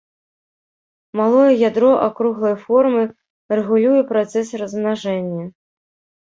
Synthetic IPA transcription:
malˠɔjɛjʲad̪ɾɔʔakɾuɣlˠɐjfɔrmɨ | rɛɣulʲujɛpɾat̪sɛsrɐzmnaʐɛnʲːɐ

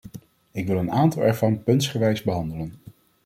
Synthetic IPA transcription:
ɪkʋɪlˠənaːntɑlˠɛɹvɑnpɵntsχəʋɛjzbəɦɑndələn

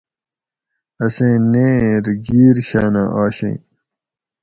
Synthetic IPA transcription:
ɐsẽːnẽːɾɡiːɾɕaːna̰ʔaːɕḛ̃

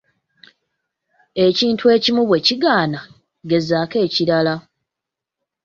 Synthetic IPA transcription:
e̞ciːntue̞ːcimuβwe̞ciɡaːna | ɡe̞zaːke̞ːciɾala

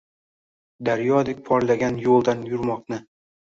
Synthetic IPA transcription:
d̪aɾjɒd̪ɪk̚ʲpʰɒɾlaɡʲanjolˠd̪anjʊɾmɒqnɪ

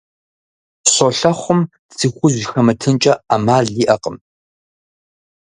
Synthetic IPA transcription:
ɕoɬɐχʷʊm | t͡sʰɨxʷʊʑxɐmɐtʰɨnt͡ʃʼɐamaːɮiːʔɐqʼəm

